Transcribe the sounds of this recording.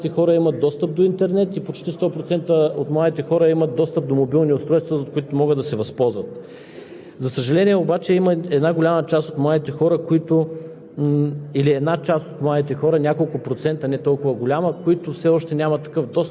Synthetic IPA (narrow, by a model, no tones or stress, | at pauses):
t̪ɛxɔɾəimət̪̚d̪ɔst̪əp̚d̪oint̪ɛɾnɛt̪ipot͡ʃt̪ist̪ɔpɾot̪sɛnt̪əot̪mlˠad̪it̪ɛxɔɾəimət̪̚d̪ɔst̪əp̚d̪omobilˠniʊst̪ɾɔjst̪vəokoit̪ʊmɔɡəd̪ɐsɛvɐspɔzvət̪ | zɐsəʒɐlɛnʲiɛobat͡ʃɛiməɛd̪naɡolʲamət͡ʃast̪ot̪mlˠad̪it̪ɛxɔɾəkoit̪ʊ | iliɛd̪nat͡ʃast̪ot̪mlˠad̪it̪ɛxɔɾənʲakolˠkʊpɾot̪sɛnt̪ənɛt̪ɔlˠkʊvəɡolʲaməkoit̪ʊfsɛɔʃt̪ɛnʲamɐt̪ːɐ̥kɤfd̪ɔs